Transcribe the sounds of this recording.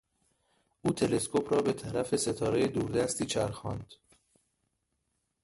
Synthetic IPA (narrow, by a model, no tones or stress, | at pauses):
ʔuːt̪ʰele̞skʰo̞pʰɾɒːbe̞t̪ʰæɾæfe̞se̞t̪ʰɒːɾe̞jed̪uːɾd̪æst̪iːt͡ʃʰæ̰ɾxɒːnd̪̥